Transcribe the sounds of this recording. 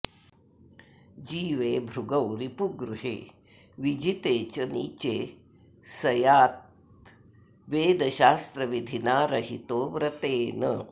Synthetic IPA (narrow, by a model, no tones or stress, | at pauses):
d͡ʒiːʋeːbʱɾuɡɐwɾipuɡɾuɦḛː | ʋid͡ʒit̪eːt͡ʃɐnḭːt͡ʃeː | sɐjaːt̪̚ | ʋeːd̪ɐʃaːst̪ɾɐʋid̪ʱinaːɾɐɦit̪oːʋɾɐt̪eːnə